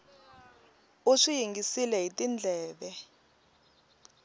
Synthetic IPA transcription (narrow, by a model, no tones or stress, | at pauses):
uʂijiŋɡisilɛɦitind͡ɮʱɛːɓɛ